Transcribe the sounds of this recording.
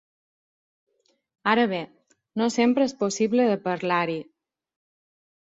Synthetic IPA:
aɾəβ̞e | nosempɾəesposiβləðəpəɾlaɾi

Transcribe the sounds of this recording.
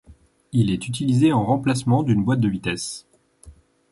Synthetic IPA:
ilɛt̪yt̪̬ilizeɑ̃ʁɑ̃plasmɑ̃d̪ynbwat̪̚d̪əvit̪ɛs

